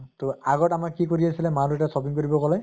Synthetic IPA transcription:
t̪oaɡɔʈamakːikoɾiasilɛmaɾuɛasɔbiŋkoɹibɔkɔlaj

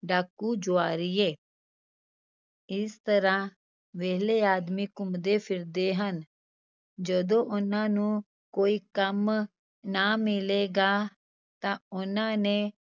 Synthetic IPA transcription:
ɖaːkːuːd͡ʒoaːɾieː | ɪst̪əɾãː | ʋɛːleaːd̪mikʊmd̪epʰɪɾd̪eɦən | d͡ʒəd̪õːʔʊnãːnũː | koːiːkəm | namɪleːɡaː | t̪ãːʊnãːnẽ

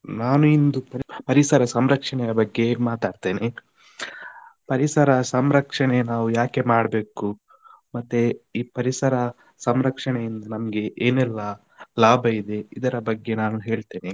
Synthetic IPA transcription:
naːnuind̪upɐɾpɐɾisɐɾɐsɐmɾɐkʂɐɳɛjɐbɐɡːe̞maːt̪aːɖt̪eːne | pɐɾisɐɾɐsɐmɾɐkʂɐɳenaːʋujaːke̞maːɽɐbe̞ːku | mɐt̪ːeiːpɐɾisɐɾɐ | sɐmɾɐkʂɐɳejind̪ɐnɐmɐɡe̞ʔeːnɛlːɐ | laːbʱɐid̪e̞id̪ɐɾɐbɐɡːe̞naːnuɦe̞ːɭt̪eːne

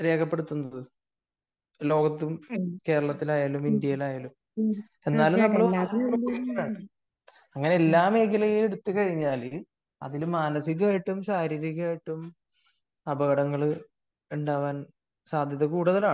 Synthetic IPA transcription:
ɾe̞ːkʰɐpːeɽut̪ːunːɐðɨ | lo̞ːɡɐt̪ːumke̞ːɾɐɭɐt̪ːilaːjaːlumind̪jɐjilaːjaːlum | e̞nːaːlumnɐmːɐɭaɐpːɐkukːunaːɳɨ | ɐŋːɐne̞elːaːme̞ːkilɐjile̞ɽut̪ːukɐɻiɲːaːli | ɐ̰ðilumːaːnɐsiɣaːjiʈːumsaːɾiːɾiɣaːjiʈːum | ɐbɐɣɐɽɐŋːɐɭ | uɳɖaːʋaːn | saːd̪ʱjɐðɐkuːɽuðɐlaː

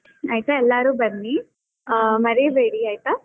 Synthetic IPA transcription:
ɐjit̪aɛlːaːɾuːbɐnːi | mɐɾiʋeːɽiːaːjt̪a

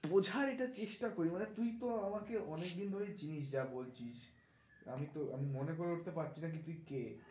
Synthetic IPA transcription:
bod͡ʑʱaɾeʈat͡ɕeʃʈakoɾimanet̪ujt̪oamakeɔnek̚d̪ind̪ʱoɾed͡ʑiniʃ̬d͡ʑabolt͡ɕʰiʃ | a̰mit̪oa̰mimonekoɾeuʈʰt̪epatːɕʰinak̬it̪uike

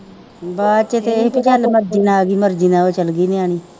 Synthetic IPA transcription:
bat͡ʃet̪epit͡ʃalmɐɾd͡ʒinaɡimɐɾd͡ʒinawot͡ʃalɡiniañi

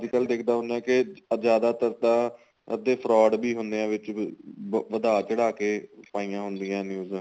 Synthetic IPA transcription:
d͡ʒikəld̪eːkʰd̪aːɦʊ̃nd̪ãːkɪd͡ʒjaːd̪aːt̪əɾt̪ãː | d̪eːpʰɾɔːɖbiːɦʊ̃nd̪ejãːʋɪt͡ʃ | ʋəd̪aːt͡ʃəɽaːkeːpaːijãːɦʊnd̪ijãːnjuːz̃ː

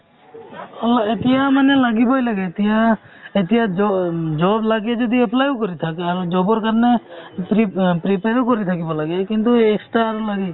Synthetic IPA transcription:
ɔlɔetijamanelaɡibɔjlaɡɛːt̪ija | etijad͡ʒɔd͡ʒɔblaɡɛd͡ʒɔd̪iɛplajukɔɾit̪ʰakaɾud͡ʒɔbɔɹkaɹnepipɾipeɾukɔɾit̪ʰakibɔlaɡɛkint̪ueksʈaɾlaɡɛ

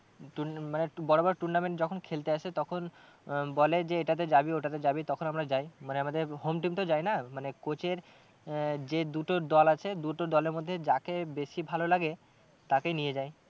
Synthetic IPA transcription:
ʈumanebɔɾobaɾʈuɾnameɳʈd͡ʑɔkʰonkʰelt̪eaʃʰet̪ɔkʰon | bɔled͡ʑeeʈat̪̬edabioʈat̪̬ed͡ʑabit̪ɔkʰonamɾad͡ʑajmaneamad̪eɾɦomʈimt̪od͡ʑajnamanekot͡ɕeɾ | d͡ʑed̪uʈod̪ɔlat͡ɕʰed̪uʈod̪ɔleɾmod̪ʱːed͡ʑakebeʃibʱalolaɡe | t̪akenijed͡ʑaj

